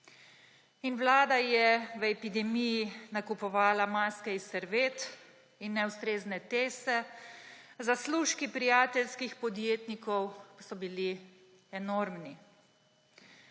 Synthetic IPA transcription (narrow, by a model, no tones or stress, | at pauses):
inwlaːd̪ajɛʋəɛpid̪ɛmijinakupɔʋaːlamaːskɛisːɛɾʋeːt̪ | inːɛust̪ɾeːznɛt̪eːsɛ | zasluʃkipɾijaːt̪ɛlskixpɔd̪jeːt̪nikɔwpasɔbili | ɛnoɾmni